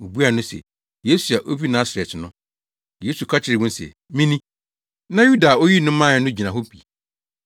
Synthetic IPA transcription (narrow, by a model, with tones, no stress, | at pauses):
o˨bu˦a˨nʊ̃˦sɛ̰˨ | je˦su˨a˨ʔo˦bi˦nãː˦sɛ˨tʰɪ˨nʊ̃˦ | jeː˨˦su˨kʰa˦t͡ɕʰɪ˨ɾɪ˨ɡʊ̃˦n˦sɛ̰˨ | mĩ˦nĩ˦ | nã˦ju˦da˨o˦ji˦nʊ̃˦mã˦˨˦nʊ̃˦d͡ʑi˨nã˨ɦo˦pʰi˨